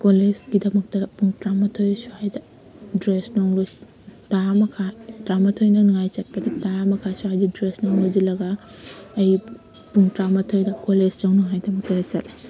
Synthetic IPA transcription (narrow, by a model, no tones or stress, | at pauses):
kolezɡidɐmɐk̚tɐɾɐpuŋtɾamɐtʰojsuhajdɐ | dɾesnaŋlo | taɾmɐkʰatɾamɐtʰojnɐniŋajt͡ʃɐt̚pɐdɐtaɾamɐkʰasuɦajdidɾesnawlod͡ʒilɐɡa | ɐj | puŋtɾamɐtʰojdɐkoled͡ʒd͡ʒawnuɦajdɐmɐk̚tɐɾɐt͡ʃɐtle